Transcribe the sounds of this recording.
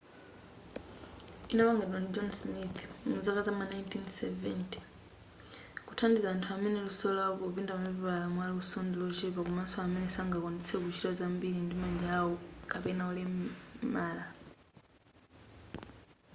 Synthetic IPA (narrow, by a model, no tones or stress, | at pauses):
inaβaŋɡɛdanid͡ʒɔnsmiθmud͡zakazamanajntʰinsɛvɛntʰi̥ | kutʰandizaːntʰuamɛnɛlusɔlapɔpindamamɛpiβalamwaliusɔndilɔʒɛpakumasɔamɛnɛsaŋɡakɔnit͡sʰɛkut͡ʃitazambilindimaɲd͡ʒawɔkapɛnaulɛmaːla